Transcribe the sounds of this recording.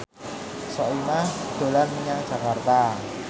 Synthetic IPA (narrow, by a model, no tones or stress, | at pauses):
sɔimahd̪̥o̤lanmiɲaŋ̥ʒ̥a̤kart̪a